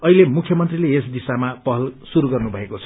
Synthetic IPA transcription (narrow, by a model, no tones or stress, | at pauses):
ʌilemukʰjʌmʌnt̪rileesd̪isamapʌɦʌlsuɾuɡʌrnubʱʌekot͡sʰʌ̥